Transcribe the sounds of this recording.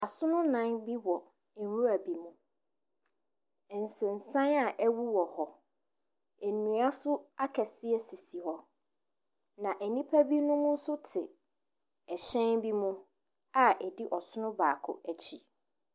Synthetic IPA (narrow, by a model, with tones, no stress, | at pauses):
a˨sʊ˦nʊ̃˦nã˦nbi˦wɔ˨ | wu˦æ˨bi˨mũ˦˨ | n̩˨sɪ̃˨n̩˨sã˦na˨ʔɛ˦wu˦wɔ˨hɔ˨ | ɛ˨nũ˨a˦sʊ˦a˦kʰɛ˨sɪ˦ɛ˦si˨si˨hɔ˦ | nã˨ʔæ˨nĩ˦pʰæ˦bi˦nʊ̃˦mʊ̃˦n̩˦sʊ˦tʰɪ̰˨ | ɛ˨ɕɛ̃˦nbi˦mũ˦ | a˨ʔɛ˨di˦ʔɔ˨sʊ˦nʊ̃˦ba̰ː˨kʰʊ̰˦æ˨t͡ɕʰi˨